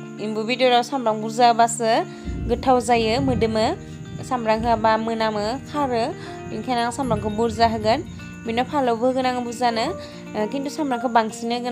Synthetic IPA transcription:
imbubidioɾawsamɾaŋbuɾzabasɯ | ɡɯtʰawzajɯmɯdɯmɯ | samɾaŋɦɯabamɯnamɯkʰaɾɯ | inkʰanaŋsamɾaŋkʰɯbuɾzaɦɯɡɯn | binɔpʰalɯwbɯhɯɡɯnaŋɯbuzanɯ | kintusamɾaŋkʰɯbaŋsinɯɡɯ

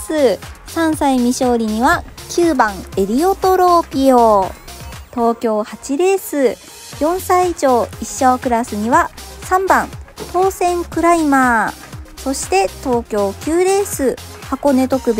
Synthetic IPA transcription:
sɨsãɰ̃saimʲiɕo̞ːɾʲiɲ̟iβakʲʰɨːbãŋe̞ɾʲio̞t̪o̞ɾo̞ːpʲio | t̪o̞ːkʲo̞ːhat͡ɕiɾe̞ːsɨ | jõ̞ɰ̃saiiʑo̞ːiɕːoːkɯ̟ɾasɨɲ̟iβasãmbãnt̪o̞ːsẽ̞ŋkɯ̟ɾaimaː | so̞ɕi̥t̪e̞t̪o̞ːkʲo̞ːkʲɨːɾe̞ːsɨhako̞ne̞t̪o̞kɯ̟b

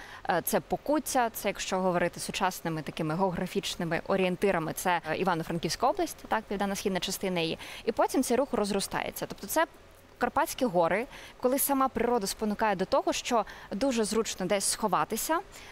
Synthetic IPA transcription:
t̪sɛpɔkutʲːɐt̪sɛjɐkʃt͡ʃɔɦɔʋɔɾɪt̪ɪsʊt͡ʃɑsnɪmɪt̪ɐkɪmɪɦɛːɣɾɐfʲit͡ʃnɪmɪʔɔɾʲɪent̪ɪɾʔɐmɪt̪sɛḭʋɑnɔfɾɐnkʲiwsʲkɐɔblˠɐsʲtʲt̪ɑk̚pʲiwd̪ɑnːɐsxʲid̪nɐt͡ʃɐst̪ɪnɐjijɛ̰ipɔtʲimt̪sɛjɾuxrɔzrʊst̪ɑ̰jḛt͡sʲːɐt̪ɔp̚t̪ɔt̪sɛ | kɐrpɑt͡sʲkʲiɦɔɾɪkɔlˠɪsɐmɑpɾɪɾɔd̪ɐspɔnʊkɑjɛd̪ɔt̪ɔɦɔʃt͡ʃɔd̪uʒɛzrut͡ʃnɔd̪ɛsʲsxɔʋɑt̪ɪsʲɐ

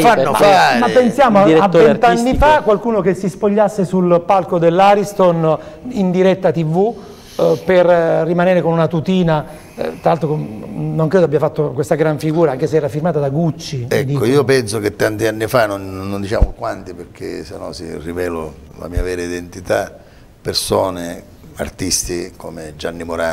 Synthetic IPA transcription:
faamapːensjaːmoaavɛnt̪anːifakːwalkuːnokesːispoʎːasːesulpalkod̪elːaːɾist̪on | ind̪iɾɛt̪ːat̪ivu | perːimaneːɾekonunat̪ut̪iːna | t̪ɾalalt̪ɾoknoŋkɾeːd̪oabːjafat̪ːokwest̪aɡɾaɱfiɡuːɾaaŋk̟eseɛːɾafirmaːt̪ad̪aɡut͡ʃːiɛkd̪iːoiːopɛnsok̟et̪ːant̪ianːifanonːond̪it͡ʃa̰ːmokwant̪iperkʰḛsenːɔ̰sḭrivɛːlo̰ | la̰miːavɛːɾaid̪ent̪it̪a̰ | persoːne | a̰rt̪ist̪ikomed͡ʒanːimoɾaː

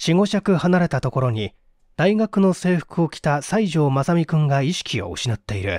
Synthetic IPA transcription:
ɕiŋo̞ɕakɯ̟hanaɾe̞t̪at̪o̞ko̞ɾo̞ɲ̟i | d̪̥aiɡakɯ̟no̞se̞ːɸɯ̟̥kɯ̟o̞kʲi̥t̪asaiʑo̞ːmasamʲikɯ̟̃ŋɡaiɕi̥kʲio̞̰ɯ̟̰ɕinat̪ːe̞iɾɯ̟̰

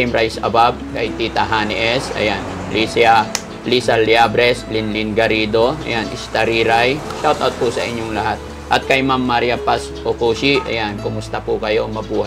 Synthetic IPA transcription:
imɾajsɐ̰bab̚kɐjt̪it̪aɦanʔɛsɐ̰jan | lʔisɪa | lisaljabɾɛslinlinɡɐɾiːd̪oɐ̰janʔɪ̰st̪aɾiɾajʃawt̪ʔawt̪̚pʊsɐʔɪɲːoŋlɐhat̪ | ʔɐt̪̚kɐjmamːaɾjapas | ʔokuːʃiʔɐ̰jankʊmʊst̪ɐpʊkɐjo̞mɐbuːha

